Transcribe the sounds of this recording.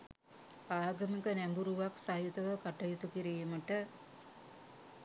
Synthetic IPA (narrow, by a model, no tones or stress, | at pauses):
aːɡɐmikənæmbuɾuʋaksaɦit̪ɐʋəkaʈɐjut̪ukiɾijuməʈə